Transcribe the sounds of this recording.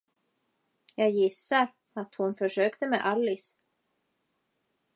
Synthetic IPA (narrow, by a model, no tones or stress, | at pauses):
jɑːɡjɪsːaɾ | at̪hʊnfœʂøːkt̪əmɛʔalːɪs